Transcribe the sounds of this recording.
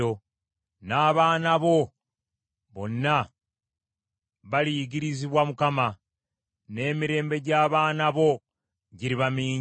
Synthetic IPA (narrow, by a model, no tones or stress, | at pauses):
o | naːβaːnaβo̞ | βo̞nːa | βalijiɟiɾiziβwamukama | ne̞ːmiɾe̞ːmbe̞ɟaːβaːnaβo̞ | ɟiɾiβamiːɲ